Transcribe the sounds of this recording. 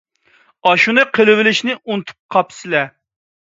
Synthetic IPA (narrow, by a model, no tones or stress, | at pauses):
ɑʃunɨqʰəlˠɪwɪlɪʃnɪʔunt̪ʰu̥p̚qʰɑpsɪlɛ